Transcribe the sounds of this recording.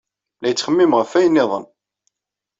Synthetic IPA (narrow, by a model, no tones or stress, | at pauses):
læjət͡sːχəmːɪmʁəfːæjənːɪðˤə̰n